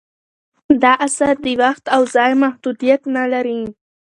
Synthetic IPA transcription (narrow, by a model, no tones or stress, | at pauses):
d̪ɑʔasaɾd̪əwaxt̪awzɑjmahd̪ud̪ijat̪nalaɾi